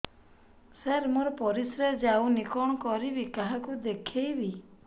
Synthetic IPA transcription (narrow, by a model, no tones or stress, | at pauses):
seɾmuɾɔpɔɾisɾed͡ʒawnikɔɽ̃ɔkɔɾibikaɦakud̪ekʰejbi